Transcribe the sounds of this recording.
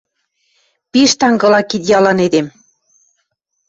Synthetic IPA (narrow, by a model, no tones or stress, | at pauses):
piʃt̪ɑŋɡɤ̆lɑkit̪jɑlɑned̪em